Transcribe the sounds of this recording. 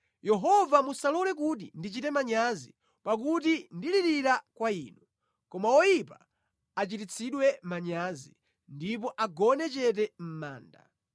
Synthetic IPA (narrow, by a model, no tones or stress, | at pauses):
jɛɦɔvamusalɔlɛk̬ut̬ḭndit͡ʃitɛmaɲazi | pak̬ut̬indiɾiɾiɾakwaiːnu | kɔmawɔjipa | at͡ʃitit͡sʰiɗwɛmaɲaːzi | ndipɔʔaɡɔnɛt͡ʃɛt̬ɛm̩ma̰ːnda